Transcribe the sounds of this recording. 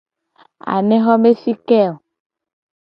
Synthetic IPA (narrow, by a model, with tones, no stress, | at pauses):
a̰˨nɛ̃˦xɔ˦me˦si˦kɛ˦˨o˨